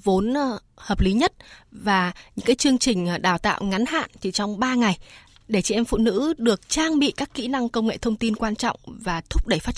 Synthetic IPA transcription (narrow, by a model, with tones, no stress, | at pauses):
vo˨˦n˧ | həː˨˩p̚li˨˦ɲə˦˥t̚vaː˨˩ɲɨ̰˧˥ŋkaː˨˦jt͡ɕɨ˧əŋt͡ɕï˨˩ŋ̟˩ɗaː˧˩wt̪a̰ː˧˨wŋa˨˦nha̰ː˧˨nt͡ɕi˧˩t͡ɕɔ˧wŋ͡mɓaː˧ŋa˨˩j | ɗe˧˩t͡ɕḭ˧˨ʔɛ˧mfṵ˧˨nɨ̰˧˥ɗɨ˨˩ək̚t͡ɕaː˧ŋɓḭ˧˨kaː˦˥kːḭ˧˥na˧ŋkə˧wŋ͡mŋḛ˧˨t̪ʰə˧wŋ͡mt̪i˧nkwaː˧nt͡ɕɔ̰˧˨wŋ͡mvaː˨˩t̪ʰʊ˦˥k͡p̚ɗe˧˩jfa˦˥t͡ɕ